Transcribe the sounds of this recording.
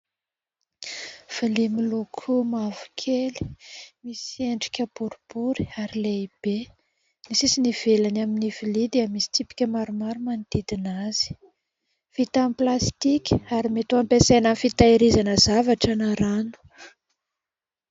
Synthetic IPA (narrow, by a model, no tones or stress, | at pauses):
v̥ilimilukʰumavu̥kʰeli̥misieɳɖ͡ʐi̥kʲəbuɾib̥uɾi̥aɾileib̥e | nisisiniv̥elanaminiv̥ilid̪eəmisi̥t̪ipi̥kʲəmaɾumaɾumand̪̥id̪inazi̥ | v̥it̪amplast̪ikʲaɾimet̪uampesajnanfit̪aiɾizanəzavaʈ͡ʂanaɾanu̥